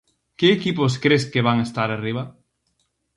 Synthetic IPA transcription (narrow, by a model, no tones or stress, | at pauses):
kɪːkip̬oskɾeskeβaŋest̪aɾariβ̞ɐ